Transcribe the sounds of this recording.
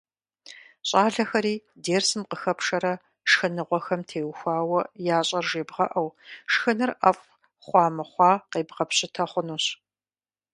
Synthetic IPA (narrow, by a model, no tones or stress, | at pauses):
ɕʼɑːɮɐxɐɾiːdeːrsɨmqəxɐpʂɐɾɐ | ʂxɐnɨʁʷɔxɐmtʰeːwxʷɑːwɐjaːɕʼɐrʒeːbʁɐʔɐwʂxɨnɨrɐf | χʷɑːmɐχʷɑːqeːbʁɐpɕʼɪtʰɐχʷʊnuːɕ